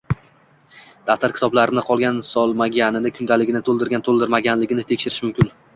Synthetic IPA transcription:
d̪̥aft̪at̪kʲɪ̥t̪ʰɒblaɾɪnɪqʰɒlˠɡʲansɒlˠmaɡʲanɪnɪkʰʊnd̪alɪɡʲɪnɪt̪ʰolˠd̪ɪɾɡʲant̪ʰolˠd̪ɪɾmaɡʲanlɪɡʲɪnɪt̪ʰe̞kʲʃɪɾɪʃmʊmkʲɪn

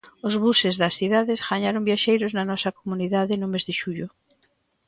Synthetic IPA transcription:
ozβ̞usezðɐsθiðaðesɣaɲaɾombjaʃejɾoznanɔsakomuniðaðenomezðɪʃuʎo

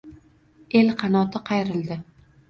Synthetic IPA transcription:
e̞lqʰɑnɒt̪ɪqʰɑjɾɪld̪ɪ

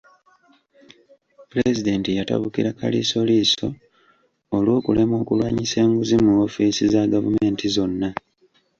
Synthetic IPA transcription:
pule̞zide̞ntijata̰βukiɾaka̰lḭso̞liso̞ː | lwoːkule̞mo̞ːkulwaːɲise̞ːŋɡuzimuofiːsizaɡavume̞ːntizo̞nːa

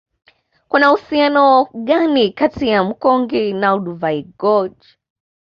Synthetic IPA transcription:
kunahusianɔɠanikatijam̩kɔŋɡinauɗuvaiɡɔd͡ʒ

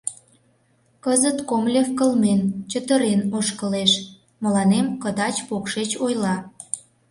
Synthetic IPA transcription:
kəzət̪komlʲefkəlment͡ɕət̪əɾenoʃkəleʃ | mə̆lɑnemkəd̪ɑt͡ɕpokʃet͡ɕojlɑ

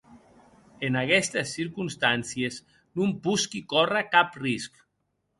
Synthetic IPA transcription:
enakɛst̪əsːiɾkunst̪ansiez | numpuskikɔrakaprisk

